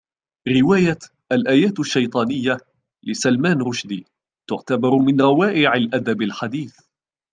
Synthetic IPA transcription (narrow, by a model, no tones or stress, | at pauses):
ɾɪwaːja | ʔalʔaːjaːt̪aʃːɑjt̪ˤɑːnɪjːa | lɪsalmaːnɾʊʃd̪iː | t̪ʊʕt̪abɑɾˤmɪnɾˤɑwaːʔɪʕalʔad̪abalħad̪iːθ